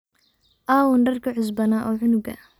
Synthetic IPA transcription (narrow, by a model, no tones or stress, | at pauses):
ʔaːwʊndɐrkʰɐʕʊs̬bɐnaʔɔːʕʊnʊɡɐ̰